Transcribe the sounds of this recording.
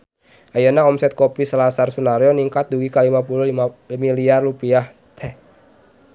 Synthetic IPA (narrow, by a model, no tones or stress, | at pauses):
ʔajanaɔmsɛt̪̚kopisəlasarsunaɾjoniŋkat̪̚duɡikalimapulumiliarlupiah | t̪ʰɛ